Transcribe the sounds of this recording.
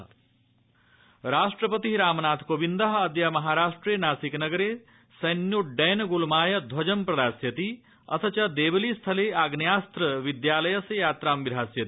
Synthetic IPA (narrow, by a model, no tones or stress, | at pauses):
ɾasʈrʌpʌt̪iɾaːmnat̪ʰkobind̪ʌɦːd̪jamʌɦaɾasʈrenaːsiknʌɡʌɾe | sɐjnːjoɖɐjnɡulmaːjɐd̪ʱwɐd͡ʒʌmprɐd̪asjɐt̪i | ʌ̰t̪ʰʌt͡ʃad̪ebʌlist̪ʰʌleaɡnjast̪rʌʋid̪jalɐjʌsejaːt̪rambiɾɦasjɐt̪i